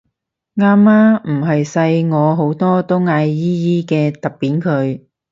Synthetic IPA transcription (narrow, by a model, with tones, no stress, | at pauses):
ŋaː˥mːaː˥m̩˨˩ɦɐ˨jsɐ˧jŋɔː˨˧ɦo˨˥wt̪ɔː˥t̪o˥wŋaː˧jːiː˥jiː˥kɛː˧t̪ɐ˨˩k̚piː˨˥nkʰɵ˨˧ɥ